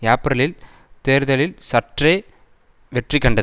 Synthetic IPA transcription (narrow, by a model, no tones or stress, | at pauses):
jaːpɾɐlɪl | t̪eːɾðɐlɪlsɐʈreː | ʋɛʈrikːɐɳɖɐð